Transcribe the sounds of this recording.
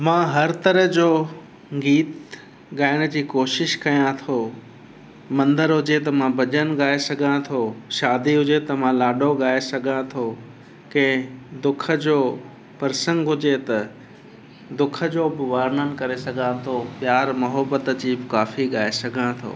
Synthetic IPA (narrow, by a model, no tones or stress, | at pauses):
mãːɦɐɾt̪ɐɾəɦd͡ʑoː | ɡiːt̪ | ɠaːɪɽ̃ə̆d͡ʑiːkoːʃɪʃkɐjãt̪ʰoː | mɐ̃nd̪əɾɦʊd͡ʑet̪ɐmãbɐd͡ʑənɠaːesɐɡʱãt̪ʰoːʃaːd̪iɦʊd͡ʑet̪ɐmãːlaːɖoɠaːesɐɡʱãt̪ʰoː | kɐ̃ɪ̃d̪ʊkʰə̆d͡ʑoː | pɐɾsə̃ŋɡɦʊd͡ʑet̪ɐ | d̪ʊkʰə̆d͡ʑoːbɪʋaːɾnənɪ̆kɐɾesɐɡʱãt̪ʰopjaːɾmɐɦəbət̪d͡ʑiːbɪkaːfiɠaːesɐɡʱãt̪ʰo̰ː